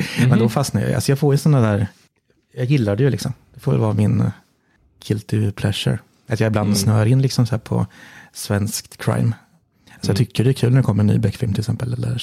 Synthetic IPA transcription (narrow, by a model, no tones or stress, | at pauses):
mɛnd̪ɔfasnaɾjɑ̰j̰ʔa̰sɔjɑːɡfoːɾjəsɔnːad̪æːɾ | jɑːɡjɪlːad̪ɛjɵlɪ̰ksɔmd̪̥ɛfoːvɛ̰lvɑːmɪn | kʰʏlt̪ʰɪpʰlɛʃə̰ɾ | at̪jɑːɪbland̪snœːɾɪnːlɪksɔmsæːɾpʰɔ̰svɛnskt̪kʰɾa̰jm | alsɔjɑt̪ʏkʰːəɖɛkʰʉːlnæɖ̪ɛkʰɔmːəɾɛny̰ːbɛkːfɪlmt̪ɪlɪksɛmpəlɛlːə̰ɾ